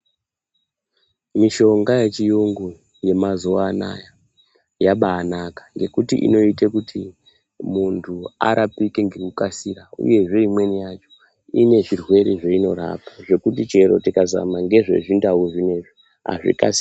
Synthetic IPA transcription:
miʃo̞ŋɡajet͡ʃijoŋɡo | je̞mazuana̰ja | jaɓaːnakḁŋɡe̞kutiʔḭno̞itekutʰi | muntʰua̰ɾʔapike̞ŋɡekukasiɾaṵje̞ʐe̞imwe̞nijat͡ʃo̥ | ine̞ʐirwe̞ɾeʐeino̞ɾa̰pḁʐe̞kutit͡ʃe̞ɾo̞̰tikaza̰maŋɡe̞ʐe̞̰ʐindauʐine̞ʐi | ɦa̰ʐḭkasi

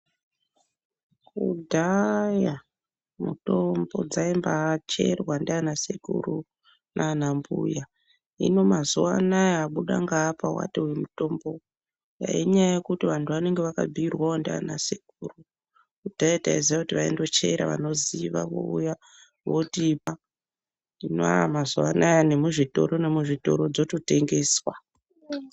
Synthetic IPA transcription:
kudʱaja | mutombo̞d͡zaimbat͡ʃe̞rwandanasekuru | nʔanambuja | ḭno̞mazuanajaaɓuɗaŋɡaːpawa̰tewemuto̞mbo̞ | ja̰iɲajajekutiʋantʰuʋane̞ŋɡeʋaka̰b͡vʱiirwaondea̰na̰sekuːru | kutaitaiziʋakutiʋaḛndo̞t͡ʃeɾa̰ʋa̰no̞ziʋa̰ʋo̰uja | ʋotipa | ino̰a̰amazuʋanajane̞muʐito̞̰ɾo̞ne̞muʐito̞̰ɾo̞d͡zo̞to̞te̞ŋɡe̞ːswa

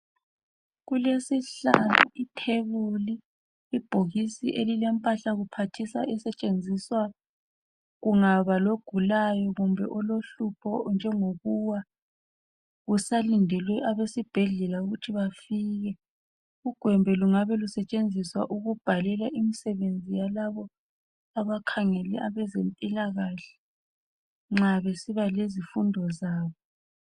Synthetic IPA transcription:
ɣulesiɬa̰nṵitʰeɣuliː | b̥ʱoɣisḭʔelilɛmpʼaɬaɣupʰatʰisa̰ʔɛsɛt͡ʃʼend͡zʱiswa | ɣuŋaβaloɡ̥ʱulajɔɣumbʱɛʔɔloɬupʰɔnd͡ʒʱɛŋoɣuwa | ɣusalindʱɛlwɛʔaβesib̥ʱɛɮɛlauɣutʰiβafiːɣɛ | uɡ̥ʱwɛmbʱɛluŋaβɛlusɛt͡ʃʼend͡zʱiswa̰ʔuɣub̥ʱalɛlaʔimisɛβend͡zʱijalaβɔ | aβakʰaŋɛlɛʔaβɛzempʼilaɣaɬɛ̥ | ŋ͡ǁaβesiβalezifundʱɔzaːβɔ

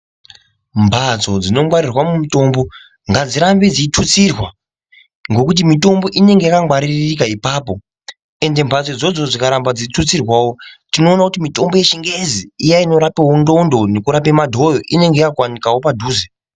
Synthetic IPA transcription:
mbʱad͡zo̞d͡zino̞waɾirwamumito̞mbo̞ | ŋɡad͡ziɾambe̞d͡ziitʰut͡sirwa | ŋɡo̞kut̬imito̞mbo̞ʔine̞ŋɡe̞jakaŋwaɾirik̬aipaːpo̞ | e̞nde̞mbʱat͡sod͡zo̞d͡zo̞d͡zikaɾambad͡zitʰut͡sirwaːwo̞tino̞ːnakutimito̞mbo̞je̞ʃiŋɡeziijaino̞ɾapewondo̞ndone̞kuɾapemadʱo̞joʔine̞ŋɡejakakwanikawo̞padʱuːze

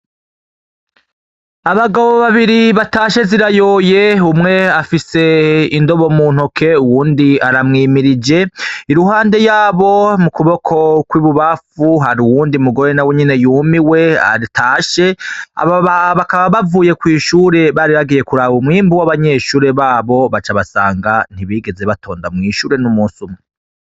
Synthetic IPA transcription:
aβaɡaβo̞βaβiɾiβataːʃe̞ziɾajo̞je̞umŋe̞afise̞indo̞βo̞muːn̥okʰe̞uwuːndiaɾamŋiːmiɾid͡ʒe̞iɾuɦaːnde̞jaːβo̞mukuβo̞kʰo̞kwiːβuβafuɦaɾuwuːndiumuɡo̞ɾenaweɲene̞juːmiwe̞a̰ɾitʰaːʃe̞a̰βoβaβakaβaβavuːje̞kwiːʃuːɾe̞βaɾiβaɡije̞kuɾaːβumŋiːmbuwaβaɲe̞ʃuːɾe̞βaːβo̞βat͡ʃaβasa̰ːŋɡan̥iβiːɡe̞ze̞βatʰoːndamŋiːʃuːɾe̞numuːnsumŋe

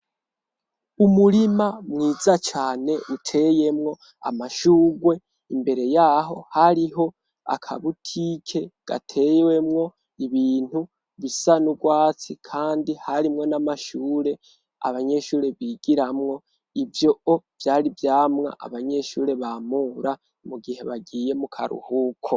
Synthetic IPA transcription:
umuɾimamŋiːzat͡ʃaːne̞ʔutʰe̞je̞mŋo̞ | a̰maʃuːɡwe̞ | imbe̞ɾe̞jaːɦo̞haɾiɦo̞ | a̰kʰa̰βutʰiːkʰe̞ɡ̥a̰tʰe̞jwe̞mŋo̞ | iβiːn̥hu | βisanuɡwaːt͡sikʰaːndihaɾimŋo̞namaʃuːɾe̞ | a̰βaɲe̞ʃuːɾe̞βiɡ̥iɾamŋo̞ | ivjo̞ov̥jaːɾivjaːmŋa̰ʔa̰βaɲe̞ʃuːɾe̞βamuːɾa | muɡihe̞βaɡiːje̞mukʰa̰ɾṵhuːkʰo

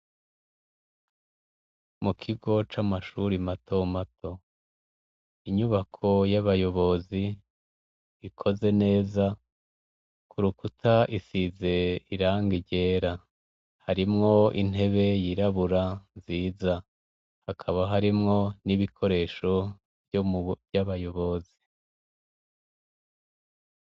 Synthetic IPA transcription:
mukʰiɡo̞t͡ʃamaʃuɾimatʰo̞matʰo̞ | iɲuβakʰo̞jaβajo̞βo̞zi | ikʰo̞ze̞ne̞ːza | kʰuɾukutʰaʔisize̞iɾaːŋɡiɟe̞ːɾa | haɾimŋo̞ḭn̥he̞βe̞jiɾaβuɾanziːza | hakʰaβaɦaɾimŋo̞niβikʰo̞ɾe̞ʃo̞ | bjvjaβajo̞βo̞zi

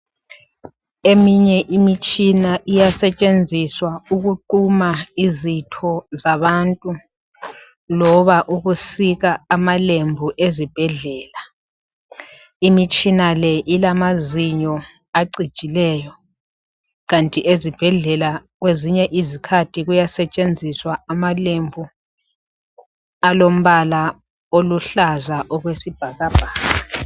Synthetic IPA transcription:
emiɲɛʔimit͡ʃʼinaʔijasɛt͡ʃʼend͡zʱiswauɣuǃumaizitʰɔzaβantʼu | lɔβaʔuɣusiɣaːmalembʱuʔezib̥ʱɛɮɛːla | imit͡ʃʼinalɛʔilamaziɲɔ | aǀid̥ʒ̥ʼʱilɛːjɔ | ɣantʼiʔezib̥ʱɛɮɛlaɣweziɲɛʔizikʰatʰiɣujasɛt͡ʃʼend͡zʱiswaamalembʱu | alom̩βala | oluɬazaʔɔɣwesib̥ʱaɣab̥ʱaːɣa

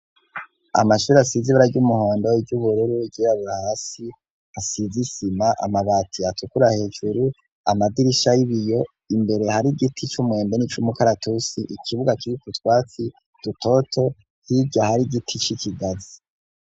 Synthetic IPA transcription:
a̰maʃuːɾiasiziβuɾaɟumuhoːndoivɟuβuɾeɾuɟiaβahasi | asizisimaʔa̰maβatʰiatukuɾahe̞ːd͡ʒuɾu | a̰madiɾiʃajiβijo̞ | imbe̞ɾe̞haɾiɡitʰit͡ʃumwe̞ːmbe̞nit͡ʃumukaɾatusiʔikʰiβuɡakiɾikutwaːt͡si | d̥uto̞tʰo̞ | hibɟahaɾiɡitʰit͡ʃicʰiɡazi

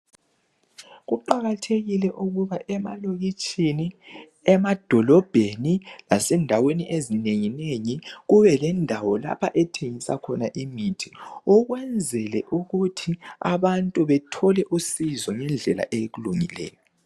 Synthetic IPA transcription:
ɣuǃaɣatʰeɣilɛʔuɣuβaʔɛma̰loɣit͡ʃʼini | ɛmad̥ʱɔlɔb̥ʱenilasɛndʱaweniʔezineŋineŋiɣuβɛlɛndʱawɔla̰pʰaʔɛtʰeŋisa̰kʰɔnaʔimitʰi̥ɔɣwɛnd͡zʱɛlɛʔuɣutʰia̰βantʼuβɛtʰɔlɛʔusizɔŋɛnd͡ɮʱɛla̰ʔejeɣuluŋilɛ̰ːjɔ

